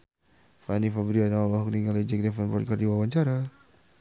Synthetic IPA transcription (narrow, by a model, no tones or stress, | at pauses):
fanifabɾianaalaɦuk̚niŋalɛd͡ʒɛk̚dɛfanbɔrt̪̚kardiwawaɲt͡ʃaɾa